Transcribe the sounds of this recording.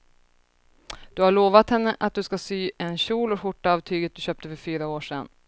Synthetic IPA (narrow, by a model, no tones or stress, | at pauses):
d̪̥ɵhaɭoːvat̪hɛnːəʔat̪̚d̪ɵskasyːɛnɕuːlɔkɧʊʈːaɑːvt̪ʰyːɡət̪̚d̪ɵɕøːp̚t̪əfœɾfyːɾaoːʂɛnː